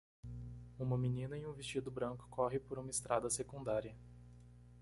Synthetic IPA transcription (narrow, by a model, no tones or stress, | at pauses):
ũmɐminĩnɐĩũvist͡ʃid̪ʊbɾɐ̃ŋkʊ̥kʰɔɦɪpoɾũmɐɪst̪ɾʔa̰d̪ɐsekũnd̪aɾiɐ